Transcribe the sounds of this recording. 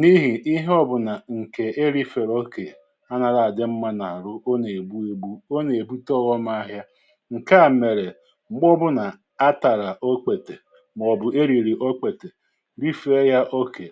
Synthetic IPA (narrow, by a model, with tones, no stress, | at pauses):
ni˦ɦi˨i˦ɦɔ˦bʊ˨na˨ŋ̩˨ke˨e˦ɾi˦fe˨ɾo˦ke˨ | a˦na˨ɾa˨a˨dɪ˦m̩˦ma˦na˨ɾʊ˦o˦ne˨bu˦e˦bu˦o˦ne˨bu˦tɔ˦˨ɣɔ˦m˦a˦ɦja˦ | ŋ̩˨ka˦a˨me˨ɾe˨ | ŋ͡m̩˨ɡ͡bɔ˦bʊ˦na˨ | a˦ta˨ɾa˨ʔo˦k͡pe˨te˨ | m˨ɔ˨bʊ˨e˦ɾi˨ɾi˨ʔo˦k͡pe˨te˨ | ɾi˦fe˦ɾja˦ʔo˦ke˨